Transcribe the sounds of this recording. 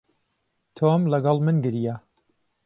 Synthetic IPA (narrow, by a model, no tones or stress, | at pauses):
t̪ʰomlɐɡɑlˠmɨnɡɨɾija